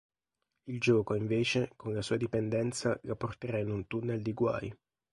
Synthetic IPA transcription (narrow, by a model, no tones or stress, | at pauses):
ild͡ʒɔːkoiɱveːt͡ʃekonlasuːad̪ipɛnd̪ɛnt̪salapːort̪eɾainːunt̪unːeld̪iɡwa̰j